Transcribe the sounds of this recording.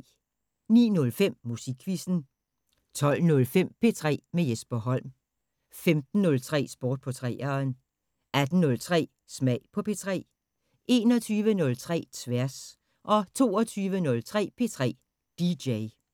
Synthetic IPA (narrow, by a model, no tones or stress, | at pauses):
nḭːnɔ̽lfem̰ːusiɡ̥ʰʋisn̩ | t͡sʰɒ̽l̰nɔ̽lfem̰pʰe̝t͡sʰʁɛ̰ːmejesb̥ɐɦɒ̽l̰m | femd̥n̩ːɔ̽lt͡sʰʁɛ̰ːsb̥ɔːd̥̚pʰɒ̽t͡sʰʁɛːɐn | ʔæd̥n̩nɔ̽lt͡sʰʁɛ̰ː | smɛɪ̰pʰɒ̽pʰe̝t͡sʰʁɛ̰ː | e̝ːnɒ̽t͡sʰyːʋənɔ̽lt͡sʰʁɛ̰ːt͡sʰʋæɐs | ʔɒ̽t͡sʰo̝̰ːɒt͡sʰyːʋənɔ̽lt͡sʰʁɛ̰ːpʰe̝t͡sʰʁɛ̰ː | d̥id̥eɪ